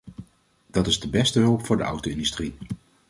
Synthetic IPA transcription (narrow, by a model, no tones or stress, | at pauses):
d̥ɑtɪzdəbɛstəɦɵlˠpfʊːɹdəʌ̰wtowɪndystri